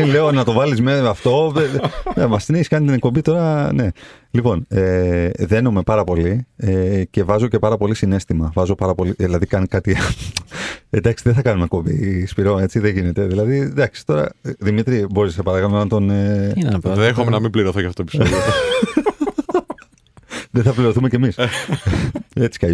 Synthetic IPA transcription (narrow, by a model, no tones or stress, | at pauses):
le̞onɐt̪o̞vɐlizmeɐft̪o̞enemɐst̪ineçiskɐnit̪inek̚po̞bit̪o̞ɾɐne̞lipo̞neðenome̞pɐɾɐpo̞liece̞vɐzoce̞pɐɾɐpo̞lisine̞st̪imɐvɐzopɐɾɐpo̞liðilɐðikɐnikɐt̪i | ed̪ɐksiðeθɐkɐnumekpombḭspiɾo̞ne̞t͡siðeʝine̞t̪e̞ðilɐðid̪ɐksi̥t̪o̞ɾɐ̰ðimit̪ɾiboɾisepɐɾɐkɐnonɐnt̪o̞ne | exomenɐmimbliɾoθocɐft̪opiso | ðeθɐpliɾo̞θume̞cemis | e̞t͡si̥kɐ